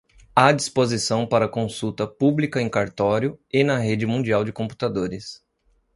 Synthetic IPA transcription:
ad͡ʒispozisɐ̃w̃paɾɐkõsut̪ɐpublikɐẽj̃kaɾt̪ɔɾjʊɪnɐɦed͡ʒɪmũd͡ʒiawd͡ʒɪkõpu̥t̪ad̪oɾɪs

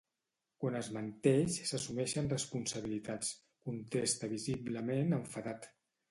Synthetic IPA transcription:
kwanəzmənt̪eʃsəsumɛʃənrəspunsəβ̞ilit̪at͡s | kunt̪est̪əβizibləmenəɱfəðat̪

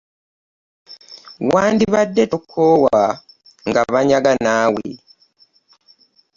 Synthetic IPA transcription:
waːndiβadːetokʰːowa | ŋɡaβaɲaɡanaːwḛ

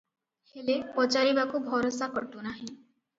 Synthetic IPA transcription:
helepɔt͡ʃaɾibakubʱɔɾosakɔʈunaɦĩ

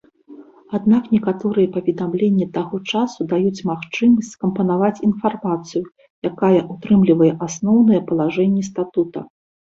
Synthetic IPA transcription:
ad̪naknʲɛkat̪ɔɾɨjɛpɐvʲɛd̪amlʲenʲːɐt̪aɣɔt͡ʂasud̪ajut͡sʲmaxt͡ʂɨmɐsʲtt͡sʲskɐmpɐnavat͡sʲin̪farmat̪sɨju | jakajɛʔut̪ɾɨmlʲivɐjɛʔasnɔwnɨjɛpɐlˠaʐɛnʲːɛst̪at̪ut̪ɐ̰

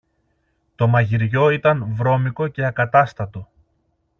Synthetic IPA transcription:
t̪o̞mɐʝiɾʝo̞it̪ɐnvɾo̞miko̞ce̞ɐkɐt̪ɐst̪ɐt̪o̞

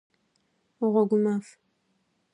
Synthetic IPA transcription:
ʊʁʷɔɡʷʊmaːf

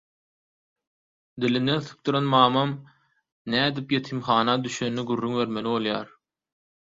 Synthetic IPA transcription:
d̪ilind̪e̞nθɯ̥p̚t̪uɾɑnmɑːmɑm | næːd̪ipje̞t̪ʰimχɑːnɑd̪yʃønːiɡyrːyŋbe̞ɾmeliβolˠjɑːɾ

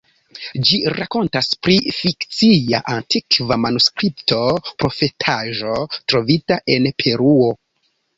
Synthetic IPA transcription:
d͡ʒiɾako̞ntaspɾifikt͡siaʔantikvamanuskɾiptʰo̞pɾo̞fe̞tʰaʒo̞tɾo̞vitaʔe̞npʰe̞ɾuo̞

